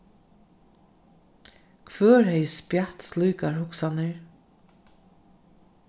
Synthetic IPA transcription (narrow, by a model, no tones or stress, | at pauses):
kʰvœːɹhɛjspjaht̪sluːkaɹhʊksanɪɹ